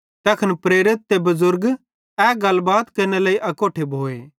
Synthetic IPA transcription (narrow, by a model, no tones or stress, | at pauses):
t̪ɐkʰənpɾeːɾɪt̪̚ːebɐzʊɾɡ | ɛɡɐlbaːt̪kɐɾnelɐiʔɐkoːʈʰebʱoːeː